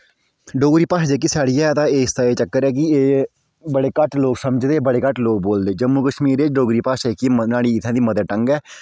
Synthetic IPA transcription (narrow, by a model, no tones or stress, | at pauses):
ɖoːɡɾiːpaːʃd̪eːk̬ːɪsaːɽiːɛːət̪ãːeːɪst̪aːeːt͡ʃəkːəɾɛːk̬ɪeː | bəɽeːkəʈloːksəməd͡ʒd̪eːbəɽeːkəʈloːk̚boːld̪eːd͡ʒəmːuːkəʃmiːɾet͡ʃɖoːɡɾiːpaːʃekinaːɽiːɪt̪ʰãːd̪iːməd̪əʈəŋɡɛː